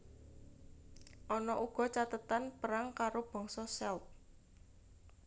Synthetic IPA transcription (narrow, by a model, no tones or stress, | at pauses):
ʔɔnɔʔuɡ̥ɔ̤t͡ʃat̪ət̪anpəɾaŋkaɾob̥ɔ̤ŋsɔsɛlt̪̚